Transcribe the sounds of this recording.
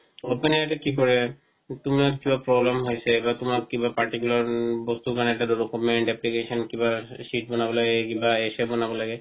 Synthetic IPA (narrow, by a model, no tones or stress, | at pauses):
openiatɛkikɔɹɛ | tʊmakibapɹɔblɛmɦojsɛbatʊmakkibapaɹʈikulaɹbɔst̪ukanɛʈaddɔkɔmɛɳʈɛplikesɔnkibasiʈ̚bɔnabɔlaɡɛk̬ibaesɛbɔnabɔlaɡɛ